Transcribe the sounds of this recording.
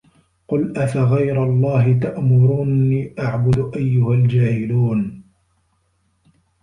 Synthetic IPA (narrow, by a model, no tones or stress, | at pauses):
qʊlʔafaɣajɾalˤːɑːɦɪt̪̬aʔmʊɾuːnːiːʔaʕbʊd̪ʊʔajːʊhald͡ʒaːhɪluːn